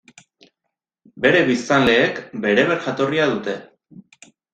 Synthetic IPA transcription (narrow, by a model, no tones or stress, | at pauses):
be̞ɾe̞βist̪anle̞ːkbe̞ɾe̞βe̞ɾʝat̪o̞riað̞ut̪e̞